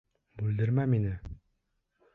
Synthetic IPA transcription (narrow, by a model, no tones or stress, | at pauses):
bʉld̪ɘɾmæminɘ